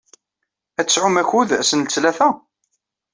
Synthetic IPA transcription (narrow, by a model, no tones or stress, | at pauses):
æsʕʊmæçuðæsənt͡sːlæθæ